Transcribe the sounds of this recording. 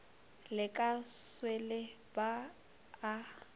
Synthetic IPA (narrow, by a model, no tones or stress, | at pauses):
lɪkʼaswele | baː